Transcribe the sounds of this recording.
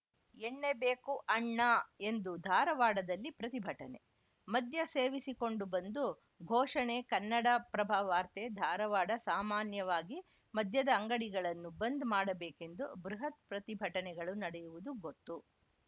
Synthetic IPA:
eɳːebeːkuʔɐɳːɐe̞nd̪ud̪ʱaːɾɐʋaːɽɐd̪ɐlːipɾɐt̪ibʱɐʈɐnḛ | mɐd̪ʱjɐseːʋisiko̞ɳɖubɐnd̪u | ɡʱɔːʂɐɳekɐnːɐɽɐpɾɐbʱaːʋaːɾt̪ed̪ʱaːɾɐʋaːɽɐsaːmaːnjɐʋaːɡi | mɐd̪ʱjɐd̪ɐːŋɡɐɽiɡɐɭɐnːubɐnd̪maːɽɐbeːke̞nd̪ubɾuɦɐt̪̚pɾɐt̪ibʱɐʈɐnɛɡɐɭunɐɽɛjuʋud̪uɡot̪ːu

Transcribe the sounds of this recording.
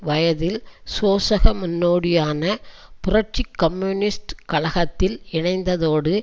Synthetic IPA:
ʋɐjɐðɪlsoːsɐɣɐmʊnːoːɽɪjaːnɐ | pʊrɐʈ̚t͡ʃikːɐmjunɪsʈkɐlɐɣɐt̪ːɪlɪɳɐɪnd̪ɐðoːɽɯ

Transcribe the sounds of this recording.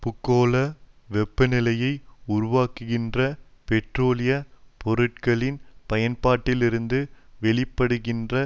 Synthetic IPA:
pʊkːoːlɐ | ʋɛpːɯnɪlɐjɐɪʊɾʊʋaːkɯɣɪndrɐpɛʈroːlɪjɐpɔɾɯʈ̚kɐɭɪnpɐjɐnpaːʈːɪlɪɾɯnd̪ɯʋɛɭɪpːɐɽɯɣɪndrɐ

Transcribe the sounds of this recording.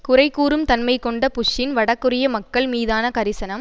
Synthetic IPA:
kʊrɐɪkːuːɾɯmt̪ɐnmɐɪkːɔɳɖɐpʊʂːɪnʋɐɽɐkːɯrɪjɐmɐkːɐɭmiːðaːnɐkɐɾɪsɐnɐm

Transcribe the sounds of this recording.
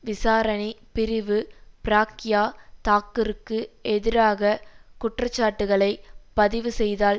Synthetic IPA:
ʋɪsaːɾɐnipɪɾɪʋɯpɾaːkɪjaːt̪aːkːɯɾɯkːɯɛðɪɾaːɣɐkʊʈrɐt͡ʃːaːʈːɯɣɐɭɐɪpɐðɪʋɯsɛjðaːl

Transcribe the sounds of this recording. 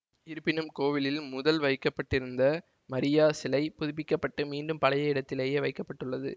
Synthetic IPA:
ɪɾɯpːɪnɯmkoːʋɪlɪlmʊðɐlʋɐɪkːɐpːɐʈːɪɾɯnd̪ɐ | mɐɾɪjaːsɪlɐɪpʊðʊpɪkːɐpːɐʈːɯmiːɳɖɯmpɐlɐjɐɪɽɐt̪ːɪleːjeːʋɐɪkːɐpːɐʈːɯɭːɐðɯ̰

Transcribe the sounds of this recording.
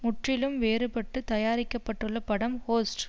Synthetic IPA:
mʊʈrɪlɯmʋeːɾɯpɐʈːɯt̪ɐjaːɾɪkːɐpːɐʈːɯɭːɐpɐɽɐmhoːsʈ

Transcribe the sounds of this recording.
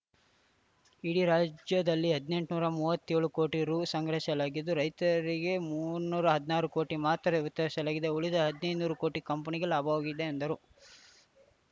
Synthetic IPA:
iɽiɾaːd͡ʒjɐd̪ɐlːiɦɐd̪ne̞ɳʈnuːɾɐmuːʋɐt̪ːeːɭuko̞ːʈiɾuːsɐŋɡɾɐʃɐlaːɡid̪ːuɾɐjt̪ɐɾiɡe̞muːɾnuːɾɐɦɐd̪inaːɾuko̞ːʈimaːt̪ɐɾeut̪ːɛʃɐlaːɡid̪euɭid̪ɐɦɐd̪inɐjd̪unuːɾukoːʈikɐmpɐniɡelaːbʱɐʋaːɡid̪e̞ːnd̪ɐɾu

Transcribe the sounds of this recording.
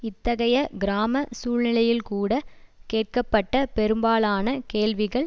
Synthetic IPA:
ɪt̪ːɐɣɐjɐɡɪɾaːmɐsuːɭnɪlɐjɪlkuːɽɐkeːʈ̚kɐpːɐʈːɐpɛɾɯmbaːlaːnɐkeːɭʋɪɣɐɭ

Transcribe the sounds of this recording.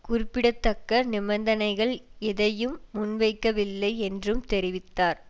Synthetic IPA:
kʊɾɪpːɪɽɐt̪ːɐkːɐnɪbɐnd̪ɐnɐɪɣɐɭɛðɐjɯmːʊnʋɐɪkːɐʋɪlːɐɪɛndrɯmt̪ɛɾɪʋɪt̪ːaːɾ

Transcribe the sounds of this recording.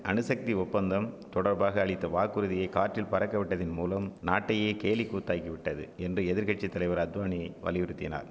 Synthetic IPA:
ʔɐnɯsɐk̚t̪iʊpːɐnd̪ɐmt̪ɔɽɐɾbaːɣɐːɭɪt̪ːɐʋaːkːɯɾɯðɪjɐɪkaːʈrɪlpɐɾɐkːɐʋɪʈːɐðɪnmuːlɐmnaːʈːɐjeːkeːlikːuːt̪ːaːkːiʋɪʈːɐðɯ̰ɛndrɯɛðɪɾɣɐʈ̚t͡ʃit̪ːɐlɐɪʋɐɾɐd̪ʋaːniɐʋɐ̰lɪʋɯɾɯt̪ːɪna̰ːɾ

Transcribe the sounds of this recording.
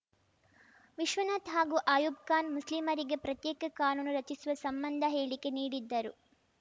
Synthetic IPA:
ʋiʃʋɐnɐt̪ɦaːɡuːʔaːjuːb̚kaːnmuslimɐɾiɡe̞pɾɐt̪jɛːkɐkaːnuːnuɾɐt͡ʃisuʋɐsɐmbɐnd̪ʱɐɦeːɭike̞niːɽid̪ːɐɾu

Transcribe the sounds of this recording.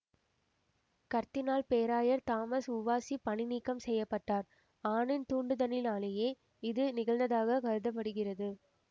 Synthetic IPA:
kɐɾt̪ɪnaːlpeːɾaːjɐɾt̪aːmɐsʊʋaːsipɐɳɪniːkːɐmsɛjːɐpːɐʈːaːɾ | aːɳɪnt̪uːɳɖɯðɐnɪlaːlɐjeː | ɪðɯnɪɣɐɭnd̪ɐðaːɣɐkɐɻɯðɐp̬ːɐɽɯɣɪrɐðɯ

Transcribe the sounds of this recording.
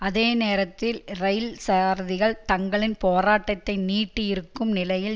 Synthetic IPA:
ɐðeːneːɾɐt̪ːɪlrɐɪlsaːɾðɪɣɐɭt̪ɐŋɡɐɭɪnpoːɾaːʈːɐt̪ːɐɪniːʈːɪjɪɾɯkːɯmnɪlɐjɪl

